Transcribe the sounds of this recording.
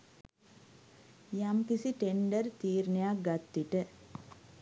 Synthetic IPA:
jamkisiʈeɳɖərt̪iːɾnejak̚ɡat̪ːiʈə

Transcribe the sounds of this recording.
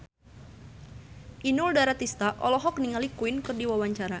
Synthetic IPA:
ʔinʊldaɾat̪ist̪aʔɔlɔɦɔk̚niŋalikuɪnkɨrdiwawaɲt͡ʃaɾa

